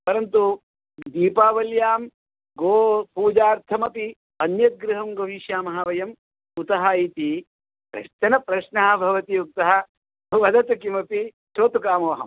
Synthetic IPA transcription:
pɐɾɐnt̪u | d̪iːpaːʋɐljaːm | ɡoːpuːd͡ʒaːɾt̪ʰɐmɐpi | ɐnjɐt̪̚ɡɾuɦɐmɡɐʋiʃjaːmɐɦɐʋɐjɐm | ut̪ɐɦait̪i | pɾɐ̰ʃt̪ɐnɐpɾɐʃnaːbʱɐʋɐt̪iuk̚t̪ɐɦɐ | ʋɐd̪ɐt̪ɐkimɐpi | ʃoːt̪ukaːmɐʋɐɦɐm

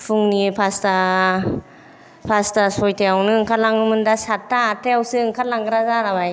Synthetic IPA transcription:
pʰuŋnipʰasta | pʰastasɔjtʰeawnɯɯŋkʰatlaŋɯmɯndasatʰːaːtʰejawsɯɯŋkʰat̚laŋɡɯɾazaɾabaj

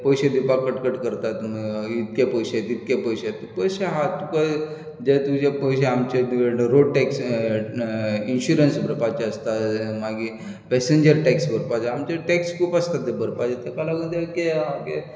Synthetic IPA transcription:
pəjɕed̪ipakəʈkəʈkəɾt̪at̪məit̪kepəjɕt̪it̪̚kjepəjɕet̪epəjɕeɦat̪ːupa | d͡ʑet̪ud͡ʑepəɕeamt͡ɕeɾoɽʈeks | inɕuɾənsbʱəɾpat͡ɕeəst̪amaɡi | pɛseɲd͡ʑəɾʈɛksbəɾpad͡ʑaamt͡ɕeʈekskuːpəst̪at̪ːebəɾpad͡zat̪ekalaɡəd̪ekemakḛ

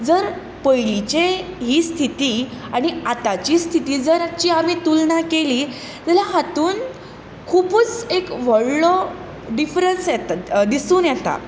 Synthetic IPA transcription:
d͡zəɾ | pəjɭit͡ɕeɦiːst̪ʰit̪iːaɽ̃iat̪at͡ɕiːst̪ʰit̪iːd͡zəɾat͡ɕiːam̤iːt̪ulɳakeliː | d͡zalaɦat̪uːn | kʰuːpət͡sekʋəɽlɔ | ɖifɾənsjɛt̪ad̪isuːnjɛt̪a̰

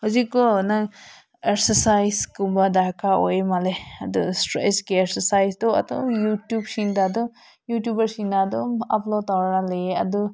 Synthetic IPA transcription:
hɔzikːɔna | ek̚sesajskumbadakaojmaleɐdustɾḛsɡiekseɾsajsdɔɐ̰dɔjutjub̚sindadɔ | jutjubɐɾsinːadɔaplod̚tawɾanaleɐdu

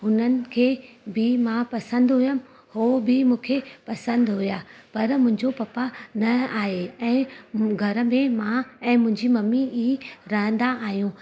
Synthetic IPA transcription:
ɦʊnənɪ̆kʰeːbɪmãpɐsə̃nd̪ɦʊjəm | hobɪmũːkʰepɐsə̃nd̪ɦʊjaːpɐɾmʊ̃ɦɪ̃ɲd͡ʑopɐpanɐaːɦeɛ̃ːɡʱɐɾə̆mẽmãɛ̃ːmʊ̃ɦɪ̃ɲd͡ʑimɐmiiɦiɾɐɦə̃n̆d̪aaːɦijũː

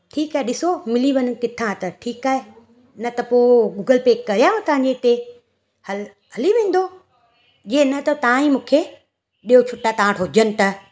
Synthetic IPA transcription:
ʈʰiːkaːeɗɪsomɪliʋɐnkɪt̪ʰãt̪ɐʈʰiːkaːɦe | nɐt̪ɐpoːɡuːɡəlpeːkːɐɾijaːɦõt̪ɐ̃ʋɦãːɲd͡ʑeɪt̪e | hɐl | ɦɐliʋẽːn̆d̪o | d͡ʑienɐt̪ɐt̪aãĩmũːkʰe | ɗijot͡ɕʰʊʈːat̪ɐãʈʰoːd͡ʑənɪ̆t̪ɐ

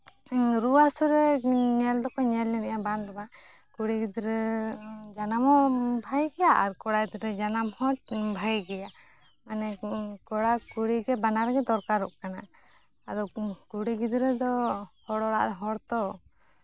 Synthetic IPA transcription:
ɾuasuɾɛɲɛld̪ɔkɔɲɛlːɛnajaband̪ɔba | kuɽiɡid̪ɾɛ | d͡ʒanamɔbʱajɡɛjaʔaɾkɔɽajd̪ɾɛd͡ʒanamhɔt̚bʱajɡɛja | manɛkɔɽakuɽiɡɛbanaɾɛɡɛd̪ɔɾkaɾɔʔkana | ad̪ɔkuɽiɡid̪ɾɛd̪ɔhɔɽɔɽa̰ʔɾɛɦɔɽt̪ɔ

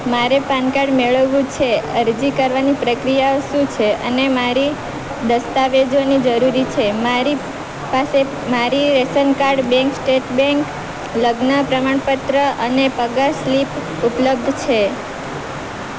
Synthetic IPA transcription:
maɾepãnkaɖmeɭəʋũt͡ʃʰeəɾd͡ʒikəɾʋanipɾəkɾijaoʃũt͡ʃʰeʔə̰nemaɾi | d̪əst̪aʋed͡ʒonid͡ʒəɾuɾit͡ʃʰemaɾi | pase | maɾiɾesənkaɾɖbɛ̃ŋksʈeʈbɛ̃ŋk | ləɡnəpɾəmaɳpət̪ɾəʔənepəɡaslip | upləb̚d̪ʱt͡ʃʰe

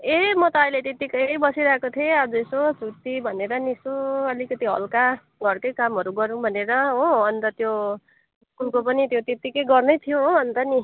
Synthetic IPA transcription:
emʌt̪ʌːjlet̪et̪ikʌjbʌsiɾakot̪ʰiead͡zuesod͡zʱut̪ibʱʌneɾʌnisoʌlikʌt̪iɦʌ̰lka | ɡʌrkʌjkamɦʌɾuɡʌɾũbʱʌneɾʌɦõʌnt̪ʌt̪jo | kulkopʌnit̪jot̪et̪ikʌjɡʌrnʌjt̪ʰijoɦoʌnt̪ʌni

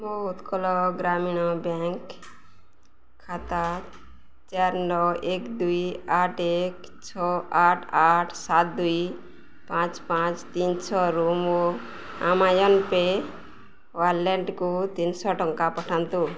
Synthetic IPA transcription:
mɔɦut̪kɔlɔɡɾaminɔbɛŋk | at̪a | t͡ʃaɾnɔwekd̪ujaʈek | t͡ʃʰɔaʈʰaʈʰsat̪̚d̪uj | pãt͡ʃpãt͡ʃt̪insʰɔɾumo | amajɔnpe | waɾlɛɳɖkut̪insɔʈɔŋkapɔʈʰant̪u

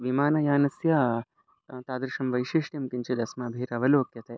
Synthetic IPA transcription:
ʋimaːnɐjaːnɐsjɐ | t̪aːd̪ɾʂɐmʋɐjʃiːʂʈjɐmkiɲt͡ʃid̪ɐsmɐːbʱiːɾɐʋɐloːkjɐt̪eː

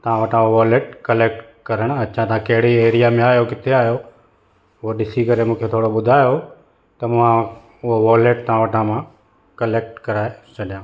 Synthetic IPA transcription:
t̪ɐãʋɐʈʰãʋɔːleʈkɐleːk̚ʈ | kɐɾəɽ̃ɐt͡ɕʰãt̪ɐãkɐɦɪɽ̤ieːɾijamẽaːjokɪt̪ʰeaːɦjo | ʊɦoɗɪsikɐɾemũːkʰet̪ʰoːɽoɓʊd̪ʱaːjo | t̪ɐmʊ̃ɦã | ʊɦoʋɔːleːʈ̚t̪ɐãʋɐʈʰãmã | kɐleːk̚ʈkɐɾaːet͡ɕʰɐɗijãː

